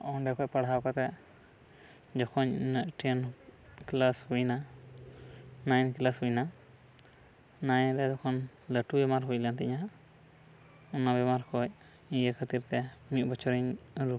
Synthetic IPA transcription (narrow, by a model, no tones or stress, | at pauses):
ɔ̃ɖɛkɔpaɽɦawkat̪ɛ | d͡ʒɔkʰɔnnəʔʈɛnklashujna | najnklasɦujna | najɾɛd̪ɔkʰɔn | ləʈubɛmaɾɦujlant̪ɛɲa | ɔnabɛmaɾkʰɔj | ĩjəkʰət̪iɾt̪ɛmiʔ̪̚ˀbɔt͡ʃʰɔɾiɲɾu